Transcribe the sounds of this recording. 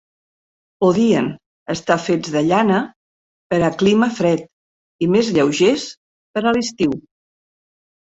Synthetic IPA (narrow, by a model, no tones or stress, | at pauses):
poðiən | əst̪afed͡zðəʎanə | pəɾəkliməfɾɛt̪̚ | imezʎəwʒes | pəɾəlist̪iw